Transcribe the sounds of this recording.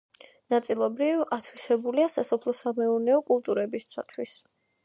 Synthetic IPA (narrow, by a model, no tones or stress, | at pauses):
nat̪sʼilˠɔbɾivat̪ʰwisɛbuliasasɔpʰlˠɔsamɛuɾnɛɔkʼulˠt̪ʼuɾɛbist̪sʰa̰t̪ʰwis